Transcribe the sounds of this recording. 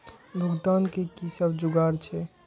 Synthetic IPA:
bʱuɡd̪ankekisəbd͡ʒuɡaɾt͡ʃʰɛ

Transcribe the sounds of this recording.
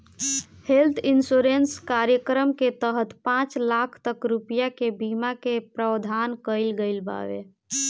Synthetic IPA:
helt̪ʰinsuɾenskaɾjəkɾəmket̪əɦət̪pãt͡ʃlakʰt̪əkɾupijakebimakepɾəwd̪ʱankəɪlɡəɪlba̰ʋḛ

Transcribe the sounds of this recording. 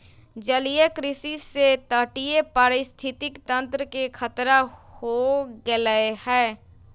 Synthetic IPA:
d͡ʒəlijekɾɪsiset̪əʈijepaːɾɪst̪ʰɪt̪ɪkt̪ə̃nt̪ɾəkekʰət̪ɾahoɡeləehɛː

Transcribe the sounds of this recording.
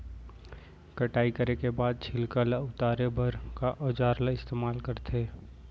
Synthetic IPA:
kɐʈaːikəɾekebaːd̪̚t͡ʃʰɪlkalaʊt̪aːɾebʱɐɾkaʔɔːd͡ʒaːɾlaɪst̪eːmaːlkəɾt̪ʰeː

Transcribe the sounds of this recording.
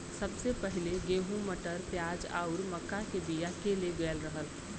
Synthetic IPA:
sɐbsepɛɦɪleɡeːɦũməʈəɾt̪jaːd͡ʒa̰ːʊɾmɐkːakebijakeleɡeːlɾəɦəl

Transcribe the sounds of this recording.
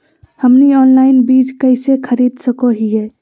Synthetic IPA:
həmniɔnlaɪnbid͡ʒkəɪsekʰəɾid̪səkoɦije

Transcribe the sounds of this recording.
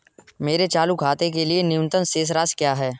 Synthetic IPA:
meːɾet͡ʃaːlukʰaːt̪ek̬elienɪjʊnt̪ənseːs̬ɾaːskjaːɦɛː

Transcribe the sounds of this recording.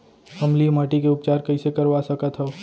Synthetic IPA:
hɐmlimaːʈikeʊp̚t͡ʃaːɾkɐĩsekɐɾʋasɐkət̪ɦɛoː

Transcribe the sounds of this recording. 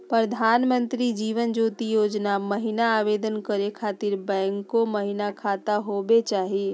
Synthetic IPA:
pɾəd̪ʱaːnmə̃nt̪ɾid͡ʒiːʋənd͡ʒuːt̪ijoːd͡ʒnaməɦɪnaaːʋeːd̪ənkəɾekʰaːt̪ɪɾbɛ̃ːŋkːoməɦɪnakʰaːt̪aɦoːbet͡ʃaːɦieː

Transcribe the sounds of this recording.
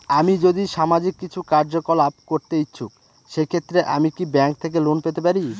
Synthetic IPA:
amid͡ʑod̪iʃamad͡ʑikːit͡ɕʰukaɾd͡ʑokolap̚koɾt̪eitːɕʰuk̚ | ʃekʰet̪ːɾeʔamikibɛŋk̚t̪ʰek̬elonpet̪epaɾi

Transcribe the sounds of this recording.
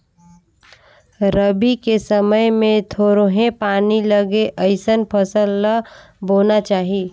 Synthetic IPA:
ɾəbikesəməjmẽt̪ʰoːɾoɦẽpaːniləɡeʔəɪsənpʰəsəlːa | boːnat͡ʃaːɦi

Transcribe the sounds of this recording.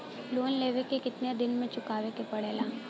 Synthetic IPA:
loːnleːʋekekɪt̪njad̪ɪnmẽt͡ʃʊkaːʋekepəɽeːlaː

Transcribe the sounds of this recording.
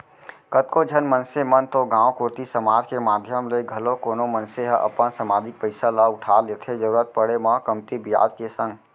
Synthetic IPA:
kət̪̚kod͡ʒʱənmənsemənt̪oɡãːwkoːt̪isəmaːd͡ʒkemaːd̪ʱjəmleɡʱɐlõkoːnomə̃nseɦʔɐ̰pənsɐmaːd͡ʒɪk̚pəɪsalaʊʈʰalet̪ʰed͡ʒəɾuːɾət̪̚pəɽemə̃kəmt̪ibɪja̰ːd͡ʒkesə̃ŋɡ

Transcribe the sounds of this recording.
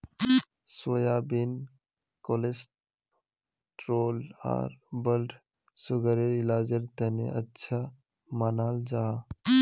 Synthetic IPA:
sojaːbin | kolesʈ | ʈɾoːla̰ːɾbəlʈ | sʊɡəɾeɾɪlaːd͡ʒəɾt̪ənḛʔətːʃʰa | manaːld͡ʒaː

